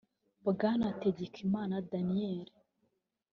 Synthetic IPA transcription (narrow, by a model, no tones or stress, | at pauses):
bɡanateɟekʰimaːnadanijeɾe